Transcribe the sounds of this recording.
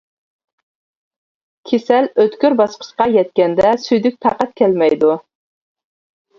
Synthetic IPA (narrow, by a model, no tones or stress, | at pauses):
kʲʰesɛløt̪kʲyɾbɑsqʰə̥ʃqɑjɛt̪̚kʲɛnd̪ɛsyjd̪yk̚ʲp̪ʰɑqɑt̪̚kʲʰɛlmɛjd̪u